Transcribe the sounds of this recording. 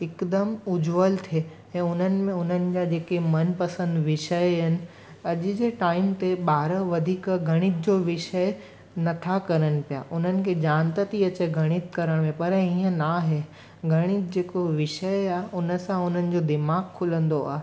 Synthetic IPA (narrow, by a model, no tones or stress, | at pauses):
ɪkd̪əmʊd͡ʑʋəlt̪ʰe | ɛ̃ːʊn̤ənɪ̆mẽʊn̤ənɪ̆d͡ʑaːd͡ʑeːkemɐnpɐsə̃nd̪ʋɪʃəeɪnɪ̆ | ɐʄ̆d͡ʑeːʈaːɪmt̪eɓaːɾəʋɐd̪ʱiːkɡʱɐɽ̃ɪit̪̚d͡ʑoʋɪʃəe | nɐt̪ʰakɐɾənɪ̆pija̰ːʔʊn̤ənɪ̆kʰed͡ʑãːnt̪ət̪iɐt͡ɕeɡʱɐɽ̃ɪt̪kɐɾəɽ̃mẽpɐɾɦĩːə̃naɦe | ɡʱɐɽ̃ɪt̪d͡ʑeːkoʋɪʃəɪaːɦʊnə̆sãʊn̤ənɪ̆d͡ʑod̪ɪmaːɡkʰːʊlə̃nd̪oa̰ːɦe